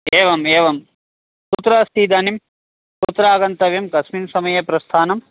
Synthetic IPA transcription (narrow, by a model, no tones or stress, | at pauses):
eːʋɐmeːʋɐm | put̪ːɾɐɐst̪iːd̪ɐːnim | put̪ːɾaːɡɐnt̪ɐʋjɐmkɐsminsɐmɐjɐpɾɐst̪ʰaːnɐm